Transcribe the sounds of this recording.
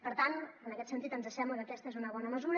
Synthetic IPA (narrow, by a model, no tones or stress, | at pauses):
pəɾt̪anənəkɛt̪sənt̪it̪ənzəʃɛmukəkɛst̪əezunəβ̞ɔnəməzuɾ